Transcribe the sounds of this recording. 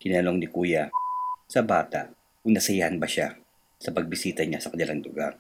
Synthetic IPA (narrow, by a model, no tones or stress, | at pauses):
kɪnaloŋnɪkuːjasɐbaːt̪a̰ʔ | kʊŋnɐsɐjahɐnbɐʃa | sɐpɐɡ̚bɪsiːt̪ɐɲasɐkɐnɪlaŋd̪ʊɡa̰ɾ